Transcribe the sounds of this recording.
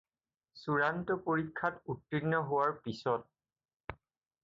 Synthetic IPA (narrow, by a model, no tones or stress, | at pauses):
suɹantɔpoɹikʰːatutɹinːɔɦʊwaɹpisɔt̚